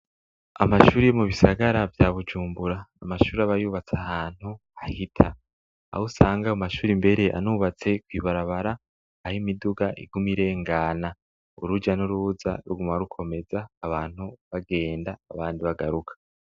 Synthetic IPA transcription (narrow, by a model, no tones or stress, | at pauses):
a̰maʃuːɾijemuβisaɡaɾavjaβud͡ʒuːmbuɾaːmaʃuːɾiaβajuːβat͡sahaːn̥hu | ahitʰa̰ː | husaːŋɡaumaʃuːɾimbe̞ɾe̞ʔa̰nuβat͡se̞kwiːβaɾaβaɾaː | himiduɡaʔḭɡumiɾe̞ŋɡaːna | ṵɾud͡ʒanuɾuːza̰ɾuɡumaɾukʰo̞me̞zaːβaːn̥huβaɡe̞ːndaːβaːndiβaɡaɾukʰḁ